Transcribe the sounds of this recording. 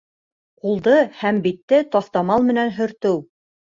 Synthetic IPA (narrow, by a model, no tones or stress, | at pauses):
qulˠd̪ɤhæmbit̪ːɘt̪ɑθt̪ɑmɑlˠmɘ̆nænɦɵ̆ɾt̪ɘw